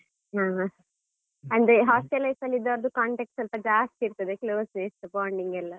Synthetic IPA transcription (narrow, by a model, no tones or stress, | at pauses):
ɦaːɦã | ɐɳɖɦaːsʈelɐjsɐlːid̪ːaʋɐɾɐd̪ukaːɳʈek̚ʈsɐlpɐd͡ʒaːst̪iːɾt̪ɐd̪ekloːsnesʈɐpaːɳɖiŋɡɛlːɐ